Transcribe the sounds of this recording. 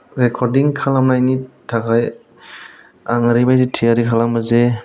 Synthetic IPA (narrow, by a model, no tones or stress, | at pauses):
ɾɛkʰɔɾdiŋkʰalamnajnitʰakaj | aŋaɾibajsitʰijaɾikʰalaməze